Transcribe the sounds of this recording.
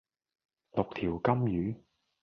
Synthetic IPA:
lʊ˨k̚t̪ʰiː˨˩wkɐ˥mjyː˨˥

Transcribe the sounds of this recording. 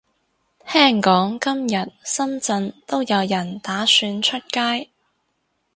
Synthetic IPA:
t̪ʰɛː˥˩ŋkɔː˨˥ŋkɐ˥mjɐ˨t̚sɐ˥mt͡sɐ˧nt̪o˥wjɐ˨˧wjɐ˨˩nt̪aː˨˥syː˨˧nt͡ʃʰɵ˥t̚kaː˥j

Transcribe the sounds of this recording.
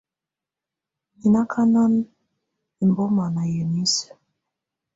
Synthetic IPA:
i˨na˦kʰa˦na˦n | i˨m˨bɔ˦ma˨na˨jə˨ni˦sə̥˨

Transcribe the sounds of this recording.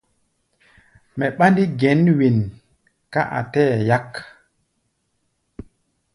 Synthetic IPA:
mɛ˨ɓa˦ndi˦ɡɛ˨˦nwi˨n | ka˦ʔa̰˨tɛ˦˨ja˦k

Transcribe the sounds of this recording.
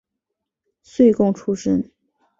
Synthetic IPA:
swe˥˧ɪkʊ˥˧˩ŋʈ͡ʂʰu˥ʂə˥n

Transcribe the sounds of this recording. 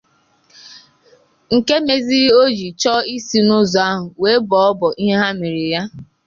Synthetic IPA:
ŋ̩˨ke˦me˨zi˦o˦d͡ʒi˨t͡ʃɔ˦i˦si˦nʊ˦zɔ˨a˦ɦʊ˨we˨˦bɔ˨ɔ˦bɔ˨ʔi˦ɦe˦ɦa˦mi˨ɾi˨ja˦

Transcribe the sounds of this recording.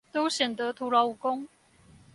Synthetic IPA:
t̪o˥ʊɕɥɛ˨˩nt̪ɤ˨˦t̪ʰu˧˥lɑ˧˦u˨˩kʊ˥˦ŋ

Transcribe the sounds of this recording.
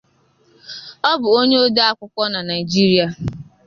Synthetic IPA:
ɔ˦bʊ˨o˦ɲe˦o˦da˦a˦kʷʊ˦kʷɔ˦na˨na˨ɪ˨d͡ʒi˦ɾi˦a˨

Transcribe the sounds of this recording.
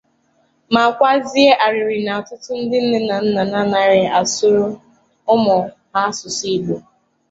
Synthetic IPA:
ma˨kʷa˦zi˦e˦ʔa˨ɾɪ˨ɾɪ˨na˨a˨tʊ˦tʊ˦n̩˦dɪ˦n̩˦ne˦na˨n̩˦na˨na˦na˦ɾɪ˨a˨sʊ˦ɾʊ˦ | ʊ˦mɔ˨ | a˦sʊ˨si˦ɡ͡bu˨

